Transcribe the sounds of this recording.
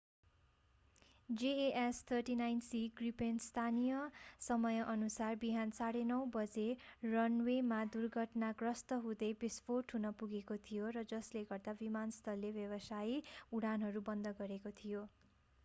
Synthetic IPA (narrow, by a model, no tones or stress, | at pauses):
d͡zeeʔest̪ʰʌrʈinajnsiɡripenst̪ʰanijʌsʌmʌjʌʔʌnusarbiɦant͡saɽenʌwbʌd͡zerʌnwemad̪urɡʱʌʈnaɡrʌst̪ʌɦud̪ʌjbispoʈɦunʌpuɡekot̪ʰijorʌd͡zʌsleɡʌrd̪abimanst̪ʰʌlːebjʌbʌsajiuɽanɦʌɾubʌnd̪ʱʌɡʌɾekot̪ʰijo